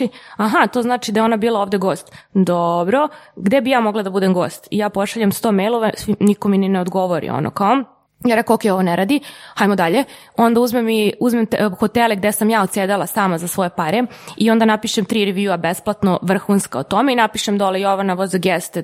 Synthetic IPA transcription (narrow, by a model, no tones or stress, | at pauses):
aɦat̪oznaːt͡ʃid̪ajeonabiːlˠaoʋd̪eɡo̞ːst̪d̪obɾo̞ɡd̪e̞bijaːmo̞ɡlˠad̪abud̪emɡo̞ːst̪ijaːpo̞ʃaʎamst̪o̞ːmejlˠoʋasʋinikominineod̪ɡo̞ʋoɾḭo̰nʔo̰kao | jaɾekookejo̞ʋoneɾaːd̪iajmod̪aʎe | o̞nd̪auzmemːiuzmemt̪xot̪elɛɡd̪esamjaːot̪sjeːd̪alˠasaːmazasʋo̞jepaɾeio̞nd̪anapiʃemt̪ɾiɾeʋjuabesplˠat̪noʋr̩xunskaot̪o̞meinapiʃemd̪olejoʋanaʋozaɡjɛst̪e